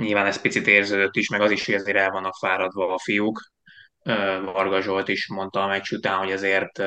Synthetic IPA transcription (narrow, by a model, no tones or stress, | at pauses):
ɲilvaːnɛs̚pit̪sit̪eːrzøːd̪øt̪ːiʃmɛɡɒziʃhoɟɛzeːɾɛlvɒnɒfaːɾɒd̪ʋɒːfijuk | øːvɒrɡɒʒo̞lt̪iːʃmo̞nt̪ɒmɛcʃut̪aːnɦoɟɛzeːrt̪